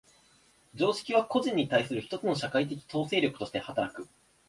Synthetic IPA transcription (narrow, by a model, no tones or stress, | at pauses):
d͡ʑo̞ːɕi̥kʲiβ̞ako̞ʑĩɲ̟ːit̪aisɨɾɯ̟çi̥t̪o̞t͡sɨno̞ɕakait̪̬e̞k̬ʲi̥t̪o̞ːse̞ːɾʲjo̞kɯ̟̥t̪o̞ɕi̥t̪e̞hat̪aɾakɯ̟